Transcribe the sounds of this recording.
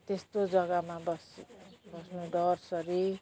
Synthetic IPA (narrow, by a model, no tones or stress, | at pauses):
t̪est̪od͡zʌɡamabʌsbʌsnuɖʌrsʌɾi